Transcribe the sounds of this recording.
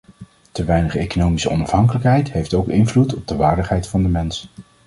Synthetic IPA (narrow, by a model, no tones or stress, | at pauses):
təʋɛjnəχejkonowmisəɔ̰nɑfɦɑŋkələkɦɛjtɦejftowkɪnvlutɔb̚dəʋaːɹdəχɦɛjtfɑndəmɛns